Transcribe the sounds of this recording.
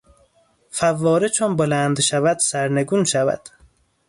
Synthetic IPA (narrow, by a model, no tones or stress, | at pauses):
fævːɒːɾet͡ʃʰonbolænd̪ʃævæd̪sæɾneɡuːnʃævæ̰d̪̥